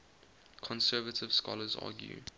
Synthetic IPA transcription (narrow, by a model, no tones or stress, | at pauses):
kʰɔ̃nsɛːvətʰɪv̥skɔləzɑ̰ːɡjṵ